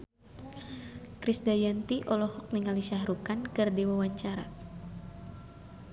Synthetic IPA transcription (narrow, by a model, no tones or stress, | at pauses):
kɾisdajant̪iʔɔlɔhɔk̚niŋalisahɾukankɨrdewawaɲt͡ʃaɾa̰